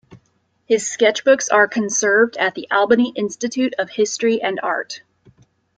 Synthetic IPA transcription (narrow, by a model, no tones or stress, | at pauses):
hɪz̥skɛt͡ʃb̥ʊksə˞kʰɨ̃nsɜ˞vdɨt̪̚ðiʔælˠbɨniʔɪ̃nstɨtʰʉɾʌv̥hɪstɹ̥iʔɨ̃nɑ̰ɹt